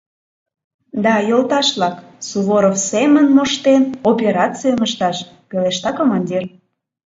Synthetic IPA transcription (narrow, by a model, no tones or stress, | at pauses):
d̪ɑjolˠt̪ɑʃlɑk | suβoɾofsemənmoʃt̪enopʲeɾɑt͡sijəməʃt̪ɑʃ | peleʃt̪ɑkomɑnʲdʲir